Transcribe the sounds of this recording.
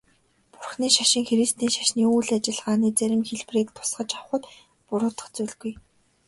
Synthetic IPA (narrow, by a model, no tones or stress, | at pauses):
pʊrχniːʃaʃɪ̆ŋxeɾist̪iːŋʃḁʃniːuːɮat͡ɕɪ̆ɮʁaːniːt͡sæɾʲɪ̆mxeɮpreːk̚t̪ʰʊ̥sχə̆t͡ɕawχə̆t̪ | pʊɾʊːt̪ə̥̆χt͡suɮɣuj